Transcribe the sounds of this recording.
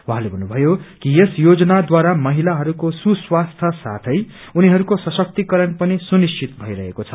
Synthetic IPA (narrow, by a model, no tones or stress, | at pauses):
waɦãlebʱʌnːubʱʌjokijesjod͡zʌnad̪waɾamʌɦilaɦʌɾukosuswast̪ʰʌsa̰t̪ʰʌj | uniɦʌɾukosʌsʌk̚t̪ikʌɾʌnpʌnisunist͡ʃit̪bʱʌiɾʌɦekot͡sʰʌ